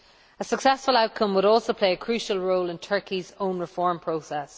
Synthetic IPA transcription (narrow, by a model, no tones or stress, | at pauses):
əsəksɛsfəlaʊt̚kʰʌ̃mwəɾɔːˑlˠsoʊpʰl̥eɪəkʰɹ̥ʉˑʃəlˠɹoʊlɪ̃ntʰɜ˞kʰizõʊ̃nɹɪfɔːɹmpʰɹ̥oʊsɛs